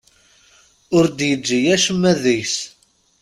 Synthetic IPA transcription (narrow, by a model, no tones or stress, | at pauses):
ʊɾd̪jəd͡ʒːijæʃəmːæðijs